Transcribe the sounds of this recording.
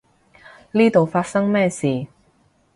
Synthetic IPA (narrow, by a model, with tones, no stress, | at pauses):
liː˥t̪o˨wfaː˧t̚sɐ˥ŋmɛː˥˧siː˨˩